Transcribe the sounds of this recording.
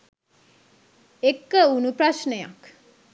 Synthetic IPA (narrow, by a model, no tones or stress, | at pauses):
ekːəunupɾaʃnəja̰k